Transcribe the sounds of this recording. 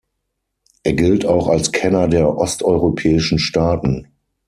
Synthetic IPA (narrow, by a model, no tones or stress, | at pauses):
ʔeːɐɡɪltaʊxalskʰɛnɐdeːɐʔɔstʔɔʏʁopʰɛːɪʃn̩ʃtaːtn̩